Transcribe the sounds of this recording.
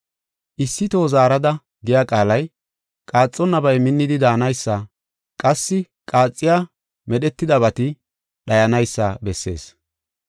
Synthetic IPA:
ʔɪsːɪt̪oːzaːɾɐd̪ɐ | ɡɪjakʼaːlɐj | kʼaːt͡sʼːɔnːɐbɐjmɪnːɪd̪ɪd̪aːnɐjsːɐ | kʼɐsːɪ | kʼaːt͡sʼːɪjaː | mɛɗɛt̪ːɪd̪ɐβɐt̪ɪ | ɗɐjɐnɐjsːɐ̰bɛsːe̞̰ːs

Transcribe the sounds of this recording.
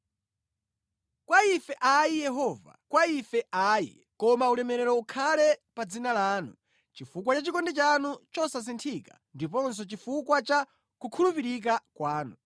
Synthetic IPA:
kwaifɛʔaijɛɦɔːva̰kwaifɛʔaːjḭ | kɔmaulɛmɛɾɛɾɔukʰalɛpad͡zinalaːnu | t͡ʃifukwat͡ʃat͡ʃikɔndɛt͡ʃanut͡ʃɔsas̬intʰikḁ | ndip̬ɔns̬ɔt͡ʃifukwat͡ʃa | kukʰulupiɾik̬akwaːnu

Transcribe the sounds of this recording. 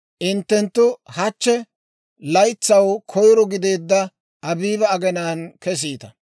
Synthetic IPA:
ʔɪnt̪ːɛnt̪ːʊhɐt͡ʃːɛ | lɐjt͡sːɐwkʰɔjɾɔɡɪd̪e̞ːd̪ːɐ | ʔɐbiːbɐɐɡɛnaːnkɛs̬iːt̪ɐ

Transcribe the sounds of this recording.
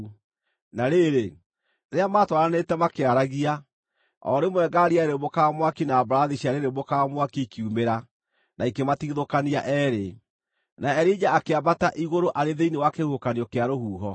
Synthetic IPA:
naɾeɾe | ɾeamaːtwaɾanetɛmakeaɾaɣia | ɔ̰ɾemwɛɡaɾiaeɾemokamwakinaːbaɾaðiɕiaɾeɾemokamwakikiumeɾa | naikematiɣiðokaniaʔɛːɾe | naɛɾid͡ʑaːkeabataʔiɣoɾoʔaɾeðeinewakehuhokaniɔkeaɾoɦuːɦɔ

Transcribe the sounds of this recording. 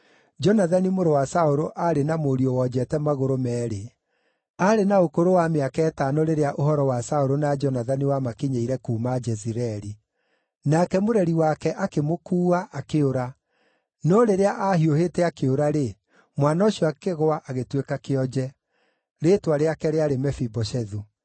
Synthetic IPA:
d͡ʒɔnaðanimoɾowasaoɾoʔaɾenamoɾiowɔd͡ʑɛtɛmaɣoɾomɛːɾe | aɾenaokoɾowameakɛːtaːnɔɾeɾeaʔoɦɔɾɔwasaoɾonad͡ʒɔnaðaniwamakeɲeiɾɛkuːmad͡ʒɛziɾɛɾi | nakɛmoɾɛɾiwakɛʔakemokuːaʔakeoɾa | nɔɾeɾeaʔahioheːtɛakeoɾaɾe | mwanaoɕiɔakeɣoaʔaɣetwekakeɔd͡ʒɛ | ɾeːtwaɾeakɛɾeaɾemɛfibɔɕɛðu

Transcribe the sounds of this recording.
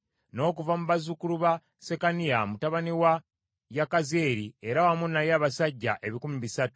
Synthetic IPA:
no̞ːk̬uvamuβazukuluβa | se̞kanijamutaβaniwa | jakaze̞ːɾie̞ɾawamunːajaːβasaɟːaʔe̞βikumiβisatu̥

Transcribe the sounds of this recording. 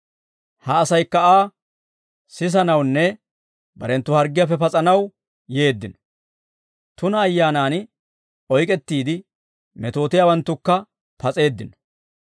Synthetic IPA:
hɐːsɐjkːɐaː | sɪs̬ɐnɐwnːɛ | bɐɾɛnt̪ːʊhɐɾɡːɪjaf̬ɛpɐt͡sʼɐnɐw | je̞ːd̪ːɪnɔ̥ | t̪ʊnɐːjːaːnaːn | ɔjkʼɛt̪ːiːd̪ɪ | mɛt̪o̞ːt̪ɪjawɐnt̪ːʊkːɐ | pɐt͡sʼe̞ːd̪ːɪnɔ̥

